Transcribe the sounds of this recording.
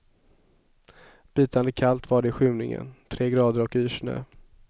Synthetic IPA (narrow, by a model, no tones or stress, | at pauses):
b̥iːt̪and̪əkʰalt̪vaːɖɛɪɧʉ̟ːnɪŋə̰nt̪ʰɾeːɡɾɑːd̪əɾɔkyːʂɳø̰ː